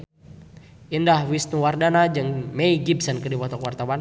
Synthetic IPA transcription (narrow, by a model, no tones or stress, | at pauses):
indahwisnuwardanad͡ʒɨŋmɛiɡibsənkədipɔt̪ɔkwart̪awan